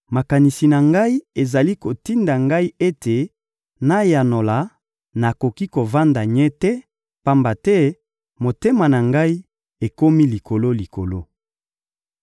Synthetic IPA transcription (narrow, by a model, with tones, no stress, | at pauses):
ma˨ka˨ni˨si˨na˨ŋɡa˦i˦e˨za˨li˦ko˨ti˦nda˨ŋɡa˦i˦e˦te˨ | na˦ja˨no˨la˨ | na˨ko˨ki˦ko˨va˦nda˨ɲɛ˦tɛ˦ | pa˦mba˨tɛ˦ | mo˨te˦ma˨na˨ŋɡa˦i˦ | e˨ko˦mi˦li˨ko˨lo˦li˨ko˨lo˦